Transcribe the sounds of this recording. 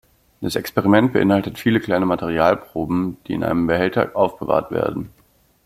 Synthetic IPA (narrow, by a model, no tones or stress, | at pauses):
d̥asɛkspeʁimɛnt̚b̥əʔɪnhaltətfiːləkl̥aɪnəmatʰeʁ̞iaːlpʁ̥oːbm̩d̥iːɪ̰nʔa̰ɪnəmbəhɛltʰɐ̰ʔaʊfb̥əva̰ːɐtv̥ḛːɐdn̩